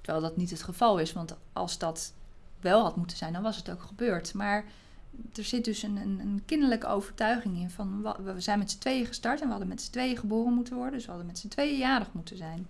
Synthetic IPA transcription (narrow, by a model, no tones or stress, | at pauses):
təɹʋɛlˠdɑtnitətχəvɑlˠɪsʋɑntʔɑ̰lˠzdɑt | ʋɛlˠɦɑtmutənz̥ɛjndɑnʋɑsətowkχəbøːɹtmaːɹ | d̥əɹz̥ɪt̚dɵsənənənkɪndəɹləkəo̰wvəɹtœɥχɪŋɪnfɑnəəzɛjnmɛtsətʋejəχəstɑɹtɛnʋəɦɑdəmɛtsə̥tʋejəχəboːrənmutənʋɔɹdəndøsʋəɦɑdəmɛtsətʋejəjaːdəχmutənzɛjn